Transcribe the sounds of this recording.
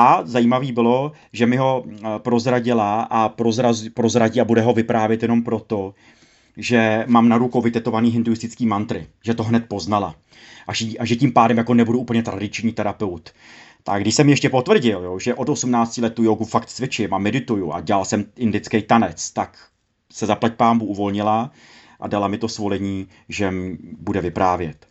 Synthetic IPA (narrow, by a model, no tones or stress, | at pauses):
ʔazajiːmaviːbɪlo̞ | ʒɛmɪɦo̞pɾo̞zɾaɟɪlaʔapɾozɾazpɾo̞zɾaɟiːabudɛɦo̞vɪpɾaːvjɛt̪jɛno̞mpɾo̞t̪o̞ | ʒɛmaːmnaɾukowvɪt̪ɛt̪o̞vaniːɦɪndujɪst̪ɪt͡skiːmant̪ɾɪ̰ʒɛt̪oɦnɛt̪̚po̞znala | ʔaʒiʔaʒɛciːmpaːdɛmjako̞nɛbuduʔuːpl̩ɲɛt̪ɾadɪt͡ʃɲiːt̪ɛɾapɛwt̪ | t̪aɡdɪʃsɛmjɛʃcɛpo̞t̪vr̩ɟɪljoʒɛʔo̞t̪osumnaːt͡scɪlɛt̪ːujoɡufakt̪t͡svɪt͡ʃɪmamːɛdɪt̪ujua̰ɟɛlalsɛmʔɪndɪt͡skɛjt̪anɛt͡st̪ak | sɛzaplac̚paːmbuʔuvo̞lɲɪla | ʔa̰dalamɪt̪o̞svo̞lɛɲiː | ʒɛmbudɛvɪpɾaːvjɛt̪